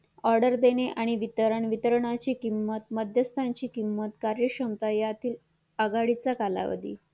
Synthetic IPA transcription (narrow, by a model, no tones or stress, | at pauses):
ɔɾɖəɾd̪eneʔaɽ̃iʋit̪əɾəɳʋit̪əɾɳ̃at͡ɕiːkimːət̪̚məd̪ʱjəst̪ʰãɲt͡ɕiːkimːət̪kaɾjəkəmt̪ajat̪ʰiːl | əɡaɽit͡sakala̰ʋə̰d̪ḭː